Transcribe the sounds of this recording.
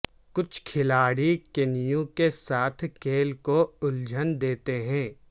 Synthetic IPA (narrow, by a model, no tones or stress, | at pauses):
kʊt͡ʃʰkʰɪlaːɽikɪnijõkesaːt̪ʰkeːlkoʊld͡ʒʱənd̪eːt̪eɦɛ̃ː